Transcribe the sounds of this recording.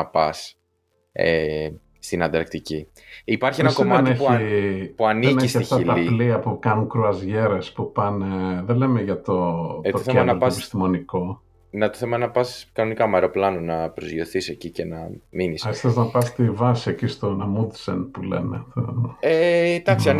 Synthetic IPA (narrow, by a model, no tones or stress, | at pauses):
ɐpɐs | e | st̪inɐnd̪ɐɾk̚t̪ici | ipɐɾçienɐskomɐtneçipuɐnienisɐft̪ɐilɐipliɐpukɐnuŋkɾuɐzʝe̞ɾespupɐneðe̞le̞meʝɐt̪o̞oθenɐpɐpist̪imo̞niko̞ | net̪oθemɐnɐpɐskɐnonikɐmɐeɾo̞plɐnunɐpɾozjo̞θisecicenɐ̰minisesθeznɐpɐst̪ivɐsiecist̪o̞nɐmud̪sḛnpulḛmḛθemed̪ɐkssiɐn